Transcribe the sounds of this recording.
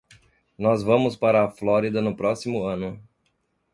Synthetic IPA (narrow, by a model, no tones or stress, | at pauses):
nɔzvɐ̃mʊspaɾɐːflɔɾid̪ɐnʊpɾɔsimʊɐ̃nʊ